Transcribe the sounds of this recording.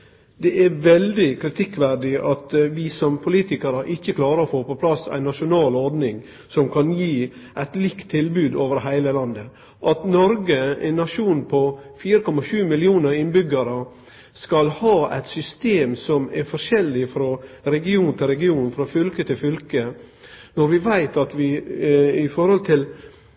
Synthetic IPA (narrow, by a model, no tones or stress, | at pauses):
d̪ɛʔɛʋɛld̪ɪkʰɾɪt̪ʰɪkːʋæɖɪʔɑt̪ʋɪsɔmpʰʊliːt̪ɪkəɾəʔɪçːəkʰlɑːɾəɾɔfoːpɔpʰlɑsæ̰ɪnːɑʂʊnɑːlɔɾd̪nɪŋ | sɔmkʰɑnjiː | ʔæɪt̪lɪkt̪ʰːɪlbʉːd̪oːʋəɾɦæɪləlɑnd̪ə | ʔɑt̪nɔɾɡəæ̰ɪnːɑʂuːnpʰɔfiːɾəkʰɔmɑʂʉːmɪlɪuːnəɾɪnbʏɡɑɾə | skɑlhɑːæ̰ɪt̪sʏst̪eːmsɔmɛɾfɔʂɛlːɪfɾɑ | ɾɛɡɪuːnt̪ʰɪlɾɛɡɪuːnfɾɑfʏlkət̪ʰɪlfʏlkə | nɔɾʋɪʋæɪt̪ɑt̪ʋɪ | ɪfɔɾhɔlt̪ʰɪl